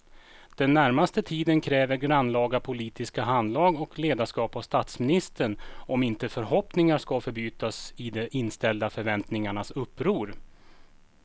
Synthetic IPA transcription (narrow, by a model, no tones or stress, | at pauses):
d̪̥ɛnːæɾmast̪ət̪ʰiːd̪ənkʰɾɛːvəɾɡɾanːlɑːɡapʰʊliːt̪ɪskaɦand̪lɑːɡɔkleːd̪aʂkɑːpavst̪at̪smɪnɪst̪əɳɔmɪnt̪əfœɾɦɔpnɪŋaʂkafœɾbyːt̪asɪd̪ɛʔɪnst̪ɛld̪afœɾvɛnt̪nɪŋaɳasɵpːɾuːɾ